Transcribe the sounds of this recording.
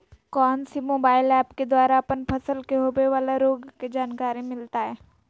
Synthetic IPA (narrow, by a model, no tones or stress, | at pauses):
kɔːnsimoːbaːɪlɛːpked̪waːɾaɐpənpʰəsəlkeɦoːbeʋaːlaɾoːɡked͡ʒaːnkaːɾimɪlt̪aɦɛː